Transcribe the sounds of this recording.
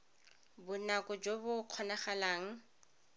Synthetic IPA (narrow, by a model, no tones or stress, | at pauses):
bʊnakʼʊd͡ʒobʊq͡χʰɔnaχalaːŋ̩